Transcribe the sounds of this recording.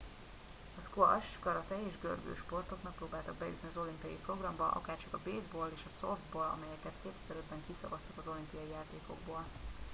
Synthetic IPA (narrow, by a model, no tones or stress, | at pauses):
ɒskoɒ̰ʃɡɒɾɒt̪ɛeːʒɡø̰rɡø̰ːʃpo̞rt̪o̞knɒk̚proːbaːlt̪ɒɡ̚bɛjṵt̪niɒzo̞limpiɒjipro̞ɡrɒmbɒʔɒ̰kaːrt͡ʃɒkɒbeːzboːleːʃɒsofd̪̚boːlɒ̰mɛjɛkɛt̪keːp̪ɛzɛɾøbbɛŋkisɒ̰vɒst̪ɒ̥kɒzo̞limpiɒjijaːt̪eːko̞̰ɡ̚boːl